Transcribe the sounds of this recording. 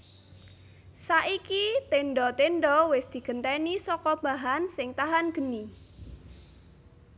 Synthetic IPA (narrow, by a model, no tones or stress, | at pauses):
saʔikit̪eɳɖɔt̪enɖɔwɪsd̪̥i̤ɡ̥ənt̪ɛnisɔkɔmaɦansɪŋt̪aɦanɡ̥ə̤ni